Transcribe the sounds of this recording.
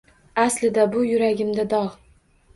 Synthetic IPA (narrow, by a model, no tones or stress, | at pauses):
aslɪd̪abʊjʊɾaɡʲɪmd̪ad̪ɒʁ